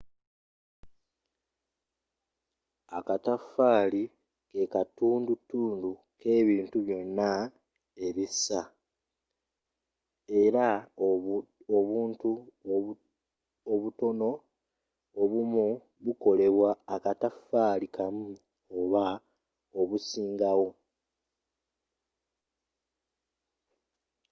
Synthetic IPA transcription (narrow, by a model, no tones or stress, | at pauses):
akatafaːli | ke̞katuːndutːuːndu | ke̞ːβiːntuβjo̞nːa | e̞βisa | e̞ɾa | oβuːntu | oβuto̞no̞ | oβumu | βuko̞le̞βwaːkatafaːlikamu | oβa | o̞βusiːŋɡawo̞